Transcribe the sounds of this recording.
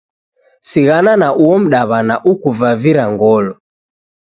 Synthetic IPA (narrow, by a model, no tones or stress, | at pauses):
siɣananaʔuɔm̩ɗaβanaʔukuvaviɾaŋɡɔlɔ